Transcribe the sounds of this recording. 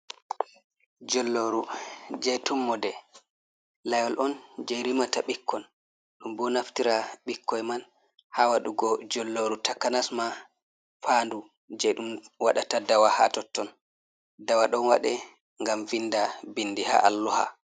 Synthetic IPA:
d͡ʒɔlːoɾud͡ʒɛjtumːɔdɛ | lajwɔlʔɔnd͡ʒɛjɾimataɓikːɔn | ɗumbɔnaftiɾaɓikʰːɔjman | hawaɗuɡɔd͡ʒɔlːoɾutakanasma | fandu | d͡ʒɛɗumwaɗatadawaha̰tɔtːɔn | dawaɗɔnwa̰ɗɛ | ŋɡamvinːdabinːdiha̰ʔalːɔha̰

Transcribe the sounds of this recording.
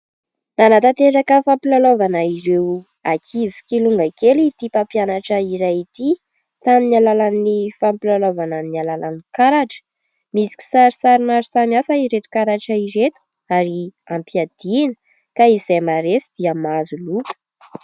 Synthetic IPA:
nanat̪at̪eɾakəfampilolovanəiɾew | akʰizi̥kiluŋɡakelit̪ipapjanaʈ͡ʂəiɾajit̪i | t̪aminialalanːifampilalovananialalanikaɾaʈ͡ʂə̥ | misi̥ki̥saɾisaɾimaɾisamiafəiɾet̪u̥kaɾaʈ͡ʂəiɾet̪u̥ | aɾi | ampiad̪̥inə̥ | kaizajmaɾesid̪iəmazulupə̥

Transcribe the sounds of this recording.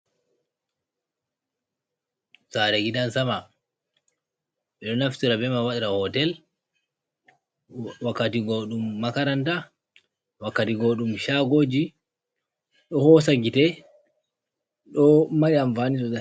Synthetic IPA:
saɾɛɡidansama | ɓɛɗɔnaftiɾabɛmawaɗiɾahɔtɛl | wakːatiɡɔɗumːakaɾanta | wakːatiɡoɗumʃaɡod͡ʒi | ɗɔhɔsaɡitɛ | ɗɔmaɗiamfanisɔza

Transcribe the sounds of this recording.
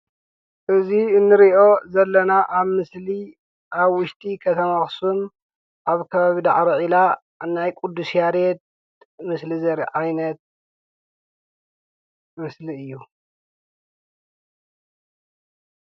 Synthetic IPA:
ʔɨziɨnːɨɾiʔo̞zɐlːɐnaʔaβmɨsli | ʔaβwʊʃt̪ʼikʰɐt̪ʰɐmaxsun | ʔaβkʰɐβaβid̪aʕɾiʕila | najkʼud̪ːusjaɾet̪̚ | mɨslizɐɾʕajnɐt̪̚ | mɨsliɨjːu

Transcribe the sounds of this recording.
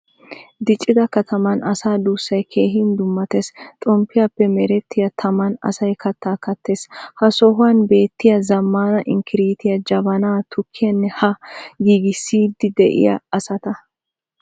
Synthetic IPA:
d̪ɪt͡ʃʼːɪd̪ɐkɐt̪ʰɐmɐnɐsaːd̪uːsːɐjkʰe̞ːɦɪnd̪ʊmːɐt̪est̪ʼɔmpːɪjapːɛmɛɾɛt̪ːɪjɐt̪ʰɐmɐnɐ̰sɐjkɐt̪ːaːkɐt̪ːe̞ːshɐsɔɦʊwɐnbe̞ːt̪ːɪjɐzɐmːaːnɐʔɪŋkʰɪɾiːt̪ɪjɐd͡ʒɐbɐnaːt̪ʰʊkʰːɪjɐnːɛhɐɡiːɡɪsːiːd̪ːɪd̪ɛʔɪ̰jɐ̰ɐsɐt̪ɐ

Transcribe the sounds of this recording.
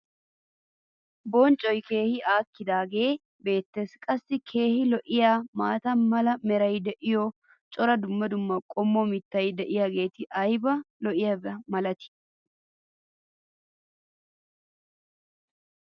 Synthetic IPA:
bɔnt͡ʃʼɔjke̞ːhɪʔaːkːɪd̪aːɡe̞ː | be̞ːt̪ːeskʼɐsːɪkʰe̞ːhɪlɔʔɪjaːmaːt̪ɐnmɐlɐmɛɾɐjd̪ɛʔɪjɔ | t͡ʃʼɔɾɐd̪ʊmːɐd̪ʊmːɐkʼɔmːɔmɪt̪ːɐjd̪ɛʔɪjaːɡe̞ːt̪ɪʔɐjbɐlɔʔɪjɐbmɐlɐt̪ɪ̥

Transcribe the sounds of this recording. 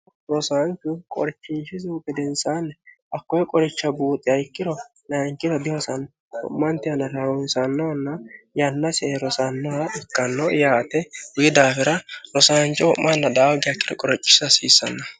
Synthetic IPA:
ɾɔsaːnt͡ʃːʊkʼɔ̰ɾt͡ʃːɪnʃɪzuːpːɛd̪ɛnsaːnːɛ | ɐkːɔjɛkʼɔɾɪt͡ʃːɐbuːt̪ʼːɪɐɪkːɪɾɔ | naŋkːɪɾɔb̪ɪɔsɐn | ɔ̰mːɐnt̪ɪjɐnːɐɾɐwɔnsɐnːɔnːɐjɐnːɐsɛɾɔsanːɔhɐɪkːɐnːɔjaːt̪ɛwʊjɪd̪aːfɪɾɐɾɔsaːnt͡ʃːɪwɔmːɐnːɐd̪aːwɡɪɐkːɪɾɔkʼɔɾɔt͡ʃʼːɪ̥sɐsiːsːɐnːɐ

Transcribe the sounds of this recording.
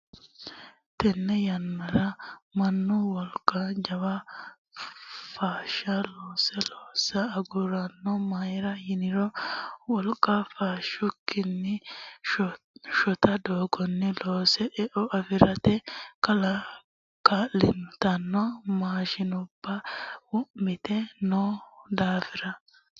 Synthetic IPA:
t̪ɛnːɛjɐnːɐɾɐmɐnːʊwɔlkʼːɐd͡ʒɐwɐ | faːʃɐloːsɛloːsɐːɡʊɾɐnːɔmajɪɾɐhɪnɪɾɔwɔlkʼːɐfaːʃʊkːɪnːɪ | ʃɔt̪ɐd̪oːɡɔnːɪloːsɛʔɛʔɔʔɐfɪɾɐt̪ɛkɐlɐ | kalɪnt̪ɐnːɔmaːʃɪnʊb̥ːɐwʊʔmɪt̪ɛnoːd̪aːfɪɾɐ

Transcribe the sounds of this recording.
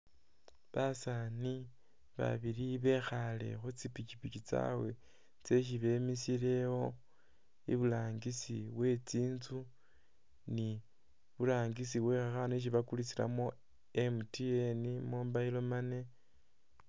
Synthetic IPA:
βasani | βa̰βiɾiβe̞xale̞̰xut͡sipit͡ʃipit͡ʃit͡sa̰we̞ | t͡se̞ʃ̬iβe̞misiɾe̞wo̞ | ḭβulaːŋɡisiβwe̞t͡siːnzu | ni | βulaːŋɡis̬iβwe̞xaxaneʃ̬iβakulit͡sila̰mo̞ | emutienimoːmbailo̞mane̞

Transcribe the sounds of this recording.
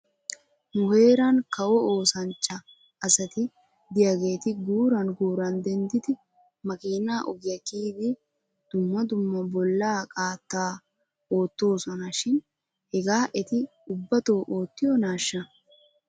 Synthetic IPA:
mʊhe̞ːɾɐnkɐwɔoːsɐnt͡ʃːɐː | sɐt̪ɪ | d̪ɪjaɡe̞ːt̪ɪɡuːɾɐnɡuːɾɐnd̪ɛnd̪ɪd̪ɪ | mɐkʼiːnaːʔɔɡɪjɐkiːd̪ɪ | d̪̥ʊmːɐd̪ʊmːɐbɔlːaːkʼaːt̪ːaː | o̞ːt̪ːo̞ːsɔnɐʃɪn | hɛɡaːʔɛt̪ɪ | ʊbːɐt̪o̞ːʔoːt̪ːɪjɔnaːʃːɐ

